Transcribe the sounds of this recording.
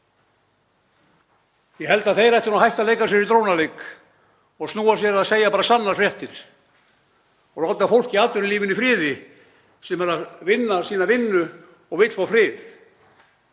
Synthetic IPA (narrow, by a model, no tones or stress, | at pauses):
jɛhɛl̪t̪aðθejɾɛht̪ɪɾnaɦajht̪alejkas̬jɛɾit̪ɾownalek | ɔɣst̪nuːasjɛɾaðseːjapaːɾasanːaɾ̥fɾjɛht̪ɪɾ̥ | ɔɣrawt̪afowl̥ciaːt̪ʏɾɪliːvɪnifɾɪːðɪ | sɛmɛɾaðvɪnːasiːnavɪnːʏ | ɔɣɪt̪l̥fafɾɪːθ